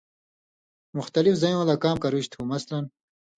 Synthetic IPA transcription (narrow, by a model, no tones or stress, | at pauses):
muxt̪ɐlifzɐj̃wɐlaːkaːmkɐɾuɕt̪ʰumɐslɐn